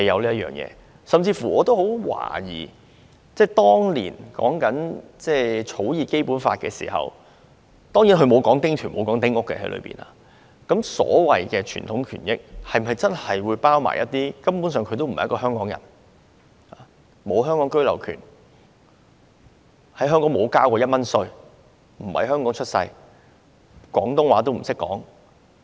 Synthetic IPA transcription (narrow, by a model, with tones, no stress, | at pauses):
hɐ˨jɐ˨˧wliː˥ɐ˥tjœ̰ː˨˩ŋjɛ̰ː˧ | sɐ˨mt͡siː˧fu˨˩ɔː˨˧t̪o˥who˨˥wwa̰ː˨˩jḭː˨˩ | t͡sɛː˥˩t̪ɔː˥ŋlḭː˨˩nkɔ̰ː˨˥ŋkɐ˨˥nt͡sɛː˥˩t͡ʃʰo˨˥wjiː˨˩ke˥jpuː˨˥nfaː˧t̚kɛː˧sḭː˨˩hɐ̰˨w | t̪ɔː˥ŋji˨˥nɦɵ˨˧ɥmo˨˧wkɔː˨˥ŋt̪ɪ˥ŋt̪ʰyː˨˩nmo˨˧wkɔː˨˥ŋt̪ɪ˥ŋʊ˥kːɛ̰˧hɐ˨˥jlɵ̰˨˧ɥpḭː˨˩na̰ː˧ | kɐ˨˥msɔ̰ː˨˥wɐ˨jkɛː˧t͡ʃʰy̰ː˨nt̪ʰʊ˨˥ŋkʰyː˨˩njɪ˥k̚hɐ˨jmɐ˨jt͡sɐ˥nhɐ˨jwuː˨˧jpaː˥wma̰ː˨jɐ̰˦˥t̚t̪iː˥kɐ˥mpuː˨˥nsœː˨ŋkʰɵ˨˧t̪o˥wm̩̰˨jkɔː˧ɦœː˥ŋkɔː˨˥ŋjɐ̰˨˩n | aː˨ | mo˨˧wɦœː˥ŋkɔː˨˥ŋkɵ˥ɥlɐ˨˩wkʰy̰ː˨˩n | hɐ˨˥jɦœː˥ŋkɔː˨˥ŋmo˨˧wkaː˥wkɔː˧jɐ˥t̚mɐ˥nsɵ˧ɥ | m̩˨˩hɐ̰˨˩jɦœː˥ŋkɔː˨˥ŋt͡ʃʰɵ˥t̚sɐ̰˧j | kʷɔː˨˥ŋt̪ʊ˥ŋwaː˨˧˥t̪o˥wm̩˨˩sɪ˥kːɔ̰ː˨˥ŋ